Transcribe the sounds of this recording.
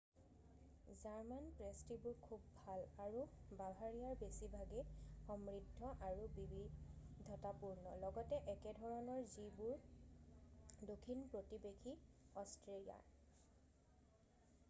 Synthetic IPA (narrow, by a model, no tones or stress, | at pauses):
zaɹmanpɹestibʊɹkʰubːʱalaɹubabʱaɹijaɹbesibʱaɡɛxɔmɹidʱːɔʔaɹubibidʱːɔtapuɹnɔlɔɡɔtɛʔɛkɛdʱɔɹɔnɔɹzibʊɹ | dokʰːinpɹotibekʰiɔstɹelija̰ɹ